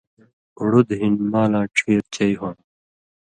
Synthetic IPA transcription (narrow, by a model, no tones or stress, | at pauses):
uɽud̪ɦinmaːlãːʈ͡ʂʰiːɾt͡ɕɐjɦõn